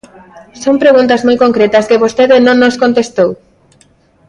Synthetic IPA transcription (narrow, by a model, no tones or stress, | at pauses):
sompɾeɣũnt̪̬azmojkoŋkɾet̪ɐskeβost̪eðɪnõŋnoskont̪est̪ow